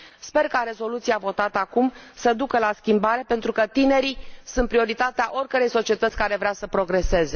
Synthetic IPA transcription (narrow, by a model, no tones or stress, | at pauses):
spe̞rkaɾezo̞lut̪siavo̞t̪at̪əakumsəd̪ukəlaskʲimbaɾe̞pe̞nt̪ɾukət̪ine̞ɾisunt̪̚pɾio̞ɾit̪at̪eaʔo̞rʲkəɾe̞jso̞t͡ʃie̞t̪ət̪sʲkaɾe̞vɾeasəpɾo̞ɡɾese̞ze̞